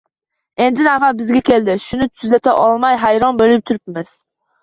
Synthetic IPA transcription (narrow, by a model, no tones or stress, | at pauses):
end̪ɪnavabɪzɡʲɛkʲʰeld̪ɪʃʊnɪt̪ʰyzɛt̪ʰɛʔɒlˠmɑjɦajɾɒnbølɪp̚t̪ʰʊɾɪp̚mɛz̥